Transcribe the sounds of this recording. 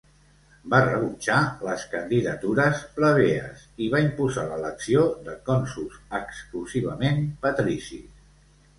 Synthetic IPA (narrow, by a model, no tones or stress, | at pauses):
barəβut͡ʃaləskənd̪iðət̪uɾəspləβ̞eə̰siβaimpuzaləːləksioðəkɔnsusəkskluziβ̞əmenpət̪ɾisḭ